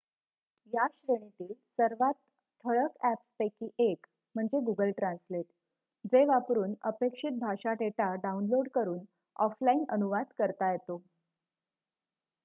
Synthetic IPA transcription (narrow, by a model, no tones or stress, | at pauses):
jaɕɾəɳ̃it̪iːlsəɾʋat̪̚ːʰ | əɭəkæpspekiʔek | m̤əɳd͡zeɡuɡəlʈɾãnsleʈ̪ | d͡zeʋapɾuːnəpekʂit̪̚bʱaʂaʈeʈaɖaunloɽkəɾuːn | ɔflainənuʋad̪kəɾt̪ajet̪o